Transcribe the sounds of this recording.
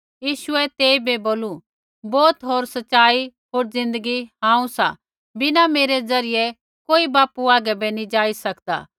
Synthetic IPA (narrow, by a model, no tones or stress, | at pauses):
jiːʃʊɛt̪eːibeboːlu | bɔːt̪ɦoːɾsɐtːʃaːiɦoːɾzɪ̃nd̪əɡiɦãːũsa̰ | bɪnameːɾezɐɾɪjɛ | koːibaːpuaːɡɛbɛnĩd͡ʒaːisɐkd̪a̰ː